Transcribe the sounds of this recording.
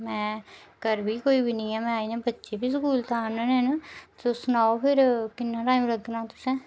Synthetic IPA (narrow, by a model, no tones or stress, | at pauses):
mɛ̃ːkəɾbʱiːkoːiːbʱiːnəĩːɛːmɛ̃ːaːiːnãːbətːʃeːbʱiːs̬əkuːlt̪aːnənensosʊnaːopʰɪɾkɪnːaːʈaːĩmləɡnãːt̪ʊsɛ̃ː